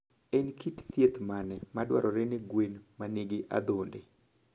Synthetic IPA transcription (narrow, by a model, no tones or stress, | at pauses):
enkitt̪jet̪manɛmadwa̰ɾʔɔɾeneɡwenmaniɡɪʔa̰d̪onde